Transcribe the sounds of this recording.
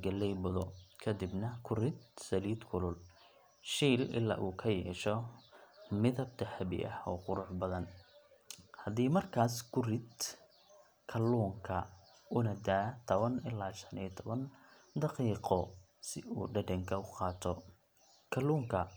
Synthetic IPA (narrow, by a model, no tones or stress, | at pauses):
ɡɐlɛjbʊðɔkʰɐd̪ɪbnɐkʰʊrɪd̪̚sɐliːd̪kʰʊlʊl | ʃiːlɪ̰lːa̰ːʔuːkʰɐjɛːʃɔ | mɪðɐb̚t̪ʰɐħɐβɪ̰ʔɐ̰hɔ̰ːqʊɾʊħbɐðɐn | hɐðiːmɐrkʰaːskʰʊrɪd̪ | kʰɐluːŋkʰɐ | ʊnɐd̪aːt̪ʰɔβɐnɪlːaːʃɐniːt̪ʰɔβɐn | d̪ɑqiːqɔ | sɪṵːɖɐɖɛŋkʰɐʊqɑːt̪ʰɔ | kʰɐluːŋkʰɐ